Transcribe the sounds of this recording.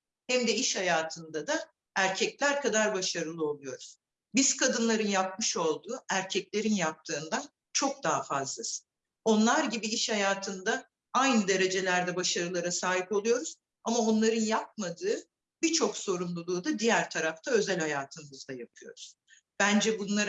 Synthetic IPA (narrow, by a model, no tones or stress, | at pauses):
hɛmd̪ɛiʃhajaːt̪ʰɯnd̪ad̪a | æɾcʰɛclʲæɾkʰad̪aɾbaʃaɾɯlˠɯo̞lˠujo̞ɾuz̥ | bizkʰad̪ɯnlˠaɾɯnjap̚mɯʃo̞lˠd̪uːæɾcʰɛclʲe̞ɾinjap̚t̪ʰɯːnd̪an | t͡ʃʰo̞k̚d̪aɦafazlˠasɯ̥n | o̞nlˠaɾɟibiiʃhajaːt̪ʰɯnd̪a | ajnɯd̪e̞ɾe̞d͡ʒe̞lʲæɾd̪ɛbaʃaɾɯlˠaɾasaːɦipo̞lˠujo̞ɾuz̥ | amao̞nlˠaɾɯnjap̚mad̪ɯː | bit͡ʃʰo̞kso̞ɾumlˠulˠuːd̪ad̪ijæɾt̪ʰaɾaft̪ʰaø̞zælʲhajaːt̪ʰɯmmɯzd̪ajapʰɯjo̞̰ɾuz̥ | b̥ænd͡ʒɛbunlˠaɾ